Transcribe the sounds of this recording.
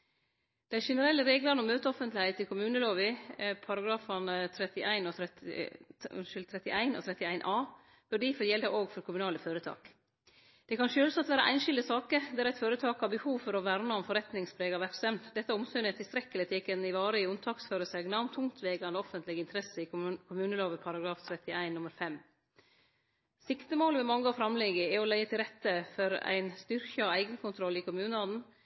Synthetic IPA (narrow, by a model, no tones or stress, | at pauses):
d̪̥ɛɪʂɛnəɾɛlːəɾeːɡlɑɾnɔmːøːt̪əɔfənt̪lɪhæɪt̪ːɪlkʰʊmʉːnəloːʋɪpʰɑɾɑɡɾɑːfɑnət̪ʰɾɛt̪ɪʔæɪnɔ | ʃʏlt̪ʰɾɛt̪ɪʔæɪnɔ̰t̪ɾɛt̪ɪæɪnʔɑː | b̥ʉɖiːfɔɾjɛld̪ɑʔoːɡfɔɾkʰʊmʉnɑːləføːɾət̪ʰɑ̰ːk | d̪̥ɛkʰɑnʃøːlsɑt̪ʋæːɾə̰ʔæ̰ɪnʃɪld̪əsɑːkəd̪ɛæɾæɪt̪føːɾət̪ʰɑːkhɑɾbəhuːʋfɔɾɔʋæɾməɔmfɔɾɛt̪nɪŋspʰɾeːɡɑʋæpsɛmd̪d̪ɛt̪ːəʊmsœːnət̪ʰːɪlst̪ɾɛkːəlɪt̪ʰɛːkənɪʋɑːɾəɪʉnt̪ʰɑːksføːɾəsɛɡnɑmt̪ʰʊŋt̪ʰʋeːɡɑnd̪əɔfənt̪ʰlɪɡəɪnt̪ʰɾɛsəɪkʰʊmʉːnəloːʋəpʰɑɾɑɡɾɑːft̪ʰɾɛt̪ɪæɪnːʊməɾfɛm | sɪkt̪əmoːləʋɛmɑŋːəɑfɾɑmlɛɡəɛɔlæɪət̪ʰɪlɾɛt̪ːəfɔɾæ̰ɪnst̪ʏɾkəɔæɪɡənkʊnt̪ʰɾɔlːɪkʰʊmʉːnəɑːd̪n̩